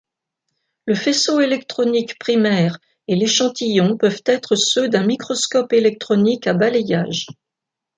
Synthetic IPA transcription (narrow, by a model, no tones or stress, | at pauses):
ləfesoelɛkt̪χɔnikpχimɛʁ | eleʃɑ̃t̪ijɔ̃pœvt̪ɛt̪χəsød̪ɛ̃mikχɔskɔpelɛk̚t̪χɔnikabalejaːʒ